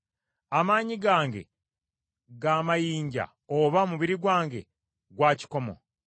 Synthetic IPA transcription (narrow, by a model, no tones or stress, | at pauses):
amaːɲiɡaːŋɡe̞̰ | ɡaːmajiːɲɟa̰ | oβamuβiɾiɡwaːŋɡe̞̰ | ɡwaːci̥ko̞mo̞̰